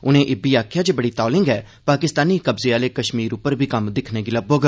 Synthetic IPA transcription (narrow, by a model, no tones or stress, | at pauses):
ʊnẽːʔɪbiːaːkʰjaːd͡ʒeːbəɽiːt̪ɔːlɪ̃ŋɡɛː | paːkɪst̪aːniːkəbzeːaːleːkəʃmiːɾʊpːəɾbʱiːkəmd̪ɪkʰneːɡɪləboːɡə